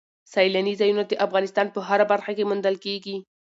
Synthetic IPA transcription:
sɑjlanizɑjunad̪əʔafɣɑnɪst̪ɑnpəɦaɾabaɾxakemʊnd̪əlkeɡi

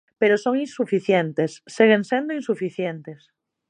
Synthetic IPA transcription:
peɾosoŋĩnsufiθjent̪esːiɣ̞eŋsend̪oinsufiθjent̪es

